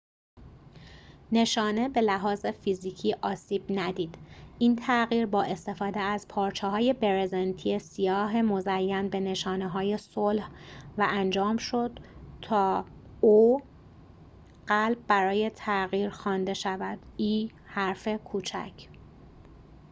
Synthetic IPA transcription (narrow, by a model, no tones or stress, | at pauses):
ne̞ʃɒːne̞be̞læɦɒːzefiziːcʰiːʔɒːsiːb̥næd̪iːd̪̥ʔiːnt̪ʰæɣiːɾbɒːʔe̞st̪e̞fɒːd̪eæzpʰɒːɾt͡ʃʰɛɦɒːje̞be̞ɾezent̪ʰijesijɒːɦe̞mo̞zæjːænbe̞ne̞ʃɒːneɦɒːje̞solhvæʔænd͡ʒɒːmʃo̞d̪̥t̪ʰɒː | oː | ɢ̥ælb̚ːæɾɒːje̞t̪ʰæɣiːɾxɒːnd̪e̞ʃævæd̪̥iː | hæɾfe̞kʰuːt͡ʃʰæ̰cʰ